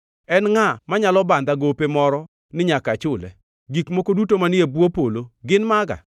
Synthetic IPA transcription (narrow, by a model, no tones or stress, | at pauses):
ɛnŋamaɲalɔband̪aɡopemɔɾɔ | nɪɲakat͡ʃʊlɛ̰ | ɡikmokodutomanɪebwopoloɡɪnmaɡa̰